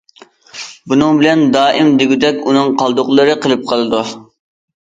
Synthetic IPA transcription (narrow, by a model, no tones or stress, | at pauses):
bunɨŋbɪlɛnd̪ɑːʔɪmd̪ɪɡʲyd̪ɛkʲunɨŋqʰɑlˠd̪ʊqlˠɨɾɨqəlˠɨp̚qʰəlˠɨd̪u